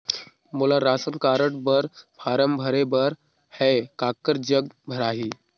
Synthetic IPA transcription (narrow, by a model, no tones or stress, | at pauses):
moːlaɾaːsənkaːɾəʈ̚bəɾpʰaːɾəmbʱəɾebəɾ | hɛkaːkːəɾd͡ʒəɡ̚bʱəɾaːɦi